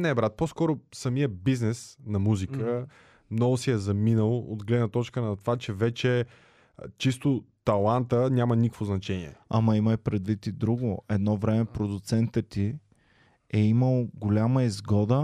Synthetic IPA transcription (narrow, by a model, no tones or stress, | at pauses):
najbɾat̪̚poskɔɾʊsɐmiəbiznɛsnɐmuzikə | mnɔɡʊsiɛzɐminəlˠo̰d̪ɡlɛd̪nɐt̪ɔt͡ʃkənɐt̪ovat͡ʃɛvɛt͡ʃɛ | t͡ʃist̪ot̪ɐlˠant̪ənʲamɐnikəkvoznɐt͡ʃɛniɛ̰ɐ̰mɐiməjpɾɛd̪vit̪id̪ɾuɡoɛd̪nɔvɾɛmɛpɾod̪ʊt̪sɛnt̪ət̪i | ɛiməlˠɡolʲaməizɡɔd̪ə